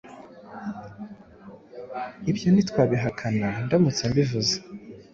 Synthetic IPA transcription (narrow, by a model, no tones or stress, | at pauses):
ibjo̞nitwaːβiɦakʰanandamut͡sambivuze̥